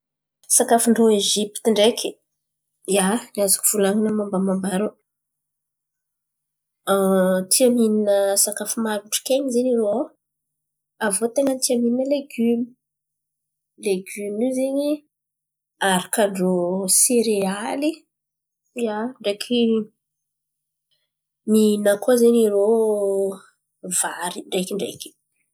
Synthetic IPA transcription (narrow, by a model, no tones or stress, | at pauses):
sakafuɳɖ͡ʐoeʒipt̪iɳɖ͡ʐekʲʰi | janiazḁku̥v̥ulaŋinamambamambaɾu | t̪ʰiamininəsakafumaɾuɳʈ͡ʂi̥keɲizeniɾo | avot̪eŋɡənt̪iamininəleɡymi̥ | leɡymizeɲi | aɾakəɳɖ͡ʐoseɾeali | jaɳɖ͡ʐekʰi | minəkozeɲiɾo | v̥aɾiɳɖ͡ʐekiɳɖ͡ʐḛkʲi̥